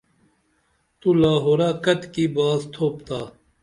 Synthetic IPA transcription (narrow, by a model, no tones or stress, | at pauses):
t̪ulaːɦoːɾaːkɐt̪kibaːzt̪ʰoːpt̪aː